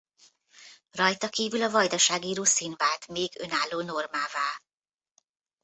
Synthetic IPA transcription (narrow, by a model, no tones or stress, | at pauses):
rɒjt̪ɒkiːvylɒvɒjd̪ɒʃaːɡiːɾoːsinbaːt̪meːɡø̞naːlːoːno̞rmaːvaːl